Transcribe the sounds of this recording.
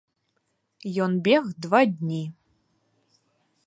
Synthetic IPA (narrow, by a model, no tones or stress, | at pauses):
jonbʲeɣd̪vadʲnʲi